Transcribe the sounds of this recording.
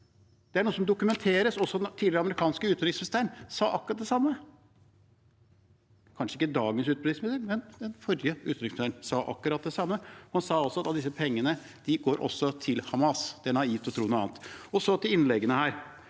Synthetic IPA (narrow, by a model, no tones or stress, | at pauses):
d̪̥ɛæɳuːəsɔmd̪ʊkʉmɛnt̪ʰeːɾəsɔsːɔd̪ɛnt̪ʰiːlɪɾɑməɾɪkʰɑːnskəʉːɪŋsmɪɪst̪æːəɳsɑːʔɑkːɾɑt̪̚d̪ɛsɑmːə | kʰɑnʂəɪkːəd̪ɑːɡənsʉːt̪̚bɛd̪ɪsmɪsd̪əɾmɛnd̪ɛnfɔɾjəʉ̰ːt̪ɪŋsmɪnst̪æːnsɑːʔɑ̰kːəɾɑt̪̚d̪ɛsɑmːəhɑnsɑːɔsɔɑt̪ɑt̪d̪ɪs̬əpʰɛŋːənə | d̪̥ɪɡoːɾʔɔ̰sːɔt̪ʰɪlhɑmɑsd̪̥ɛæɳɑiːt̪ɔt̪ʰɾuːnʊːɑ̰ːnt̪ɔsɔd̪ɪɪnlɛɡənəhæːɾ